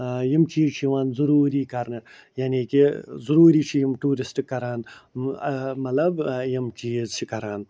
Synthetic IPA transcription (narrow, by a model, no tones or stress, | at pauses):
jimt͡ʃiːzt͡ʃʰiʋaːnzuɾuːɾiːkɐɾnɨ | janiːkizuɾuːɾiːt͡ʃʰijimʈuːɾisʈikːɐɾaːn | mɐlɐbjɐmt͡ʃiːzt͡ʃʰikɐɾaːn